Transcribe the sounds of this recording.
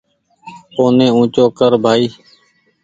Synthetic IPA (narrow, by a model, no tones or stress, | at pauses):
poːnẽːũːt͡ʃoːkəɾbʱaːiː